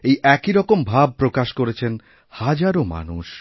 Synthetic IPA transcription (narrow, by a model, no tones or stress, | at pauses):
ejʔɛkiɾɔkombʱab̚pɾokaʃkoɾet͡ɕʰen | had͡ʑaɾoma̰nuʃ